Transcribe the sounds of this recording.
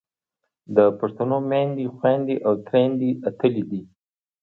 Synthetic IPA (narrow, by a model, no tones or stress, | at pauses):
d̪əpaʂt̪anomand̪ixwand̪iʔawt̪ɾend̪iat̪əlid̪i